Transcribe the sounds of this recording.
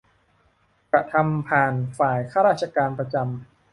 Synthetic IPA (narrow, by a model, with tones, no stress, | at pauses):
kɾa˧t̪ʰa˧mpʰaː˨˩nfaː˨˩jkʰaː˥˩ɾaː˥˩t̪̚t͡ɕʰa˧kaː˧npɾa˧t͡ɕa˧m